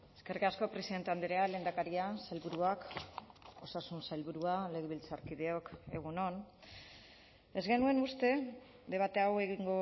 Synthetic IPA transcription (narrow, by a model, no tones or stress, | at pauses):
e̞ske̞rikasko̞pɾe̞siðent̪e̞and̪eɾeale̞ːnd̪akaɾiasajlβuɾuak | o̞sasunsajlβuɾuale̞ɣeβilt͡saɾkið̞e̞o̞ke̞̰ɣ̞uno̞n | e̞zɣe̞nue̞nust̪e̞ | ðe̞β̞at̪e̞awe̞ɣ̞iŋɡo̞